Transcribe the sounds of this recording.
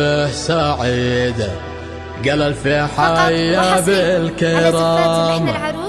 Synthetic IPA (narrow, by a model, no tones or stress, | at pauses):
ħsaʕɪd̪a | ɡalalfiħaːjjaːbɪlkɪɾˤɑːm